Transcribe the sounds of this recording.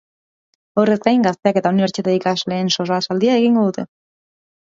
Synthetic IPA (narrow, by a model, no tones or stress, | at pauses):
o̞re̞skajŋɡast̪e̞ake̞t̪auniβe̞ɾt͡sit̪eikazle̞ːnso̞zasald̪iae̞ɣiŋɡo̞ðut̪e̞